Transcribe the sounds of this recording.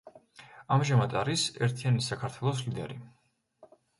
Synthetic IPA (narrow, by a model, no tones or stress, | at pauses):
amʒamad̪aɾisɛ̰ɾt̪ʰianisakʰaɾt̪ʰwɛlˠɔslid̪ɛ̰ɾi